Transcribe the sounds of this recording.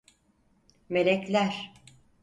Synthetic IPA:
me̞ɾɛclʲæɾ̥

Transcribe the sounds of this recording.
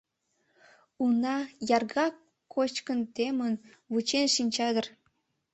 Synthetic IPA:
unɑjɑrɣɑ | kʰot͡ɕkənt̪emən | βut͡ɕenʃinʲt͡ɕɑd̪ə̆r

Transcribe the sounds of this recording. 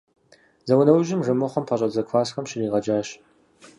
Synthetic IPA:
zɐwʊnɐwʒɪmʐɨmɨχɐmpʰɐɕʼɐzɐkʷʰfaːsxɐmɕɪniːʁɐd͡ʒaːɕ

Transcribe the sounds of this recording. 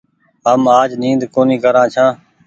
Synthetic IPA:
ɦəmaːd͡ʒnĩːnd̪koːnĩːkəɾãːt͡ʃʰãː

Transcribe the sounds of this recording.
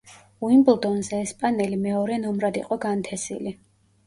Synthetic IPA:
uimblˠd̪ɔnzɛːspʼanɛlimɛɔɾɛnɔmɾad̪ḭqʼɔɡant̪ʰɛsḭli

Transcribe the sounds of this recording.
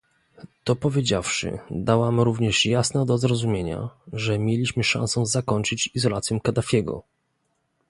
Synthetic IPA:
t̪ɔpɔvʲjed͡ʑafʂɘ̰d̪awamɾuvɲɛʂjasnɛd̪ɔzɾɔzumʲjeɲa̰ʐɛmʲjelʲiɕmɘʂã̰ñsɔ̃w̃zakɔɲt͡ʂɘt͡ɕizɔlat̪sjɔ̃w̃kad̪afʲjɛɡɔ̰

